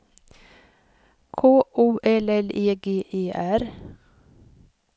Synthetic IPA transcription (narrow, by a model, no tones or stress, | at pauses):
kʰoːʔuːʔɛlɛleːɡeːʔeːʔæɾ